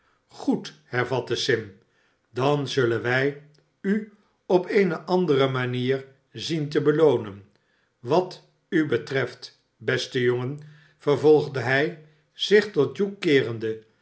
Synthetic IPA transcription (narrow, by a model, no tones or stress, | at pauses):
χuthɛɹvɑtəsɪm | dɑnzɵlənʋɛj | y | ɔpejnəʔɑndərəmaniːɹ | zintəbəlownən | ʋɑt | ybətrɛft | bɛstəjoŋən | v̥əɹvɔlˠχdəɦɛj | z̥ɪχtɔt̚ukɪːrəndə